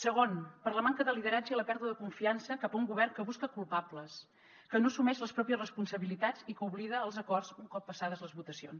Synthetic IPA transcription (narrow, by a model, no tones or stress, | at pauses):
səɣ̞onpəɾləmaŋkəðəliðəɾad͡ʒəiləpɛɾðuðəðəkuɱfiansəkapəuŋɡuβɛrŋkəβuskəkulˠpapləs | kənosumɛʃləspɾɔpiəsrəspunsəβilit̪ad͡zikəuβliðəːlˠzəkɔrzuŋkɔpːəsaðəzləzβut̪əsio̰ns